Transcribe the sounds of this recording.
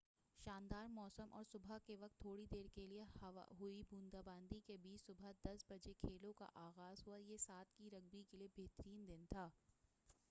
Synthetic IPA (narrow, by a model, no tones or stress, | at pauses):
ʃaːnd̪aːɾmɔːsəmʔɔ̰ːɾsʊbʱakeʋɐk̚t̪ʰːoːɽid̪eːɾkeliea̰ɦuibũːnd̪aːbãːnd̪ikebiːt͡ʃsʊbʱad̪ɐsbɐd͡ʒekʰeːlõka̰ʔaːɣaːzɦuajesaːt̪̚ʰkiɾɐɡ̚bikeliebʱeːt̪ɾiːnd̪ɪnt̪ʰaː